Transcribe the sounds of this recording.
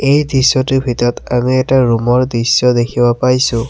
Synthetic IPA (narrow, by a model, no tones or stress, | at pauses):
ejdisːɔtubʱitɔɔtamiɛtaɹumɔɹdisːɔdekʰibapajsʊ̃